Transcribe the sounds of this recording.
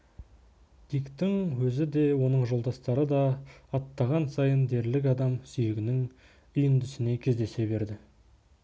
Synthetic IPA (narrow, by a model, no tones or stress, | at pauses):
d̪̥ijkt̪ɪŋwɵzɪd̪e̞wo̞nəɴʒo̞lˠd̪ɑst̪ɑɾəd̪ɑːt̪ːɑʁɑnsɑjənd̪e̞ɾlɪkɑd̪ɑmsʏjɪɡʲɪnɪŋ | ʏjənd̪ʏsɪne̞kʲʰe̞zd̪e̞se̞βe̞ɾd̪ɪ